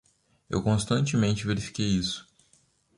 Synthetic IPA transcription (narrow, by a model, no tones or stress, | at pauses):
ḛwkõst̪ɐ̃nt͡ʃɪmẽnt͡ʃɪveɾifi̥kejisʊ̥